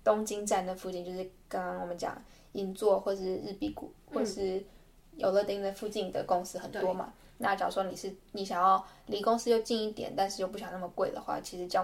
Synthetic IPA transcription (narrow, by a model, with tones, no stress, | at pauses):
t̪ʊ˥ŋt͡ɕi˥ŋʈ͡ʂa˥˩nd̪ə˩fu˥˧t͡ɕi˥˧nt͡ɕjo˥˧ʊʂɻ̩˥˩kɑ˥ŋkɑ˥ŋwɔ˨˩mə˦nt͡ɕjɑ̰˨˩ŋ | i˧˥nt͡swɔ˥˧xwɔ˥˩ə˩ʂɻ̩˥˧ɻ̩˥˩pi˥˩kṵ˨˩xwɔ˥˩ʂɻ̩˥˩ | jo˨˩ʊlɤ˥˧t̪i˥˩ŋd̪ə˨˩fu˥˧t͡ɕi˥˩ŋd̪ə̰˩kʊ˥ŋsɹ̩˥xə˨˩nt̪wɔ˥mɐ̰˨ | na˥˩ʈ͡ʂɑ˨˩ʊʂwɔ˥ni˨˩ʂɻ̩˥˩ni˧˥ɕjɑ˨˩ŋjɑ˥˩ʊ | li˧˥kʊ˥ŋsɹ̩˥jo˥˧ʊt͡ɕi˥˧ni˥˩t̪jɛ̰˨˩˦nt̪a˥˧nʂɻ̩˥˧jo˥˧p̬u˥˩ɕjɑ˨˩ŋna˥˩mə˩kwe˥˩ɪd̪ə̰˩xwa̰˥˩t͡ɕʰi˧˥ʂɻ̩˧˥t͡ɕjɑ˥˧ʊ